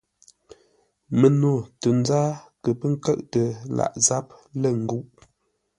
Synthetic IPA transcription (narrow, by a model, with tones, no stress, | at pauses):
mə˨no˨tə˨n˦zaː˦kə˨pə˦ŋ̩˦kə˦ʔtə˨la̰˨ʔza˦p̚lə˦˨ŋ̩˨ɡu˦ʔ